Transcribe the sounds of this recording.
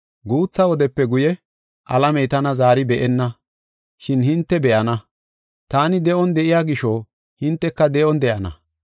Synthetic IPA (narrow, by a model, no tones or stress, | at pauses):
ɡuːt͡sːɐwɔd̪ɛpːɛɡʊjɛ | ʔɐlɐmɛjt̪ɐnɐzaːɾɪbɛʔɛnːɐ | ʃɪnhɪnt̪ːɛbɛʔɐnɐ | t̪aːnɪd̪ɛʔɔnd̪ɛʔɪjaːɡɪʃo | hɪnt̪ːɛkːɐd̪ɛʔɔnd̪ɛʔɐnɐ̰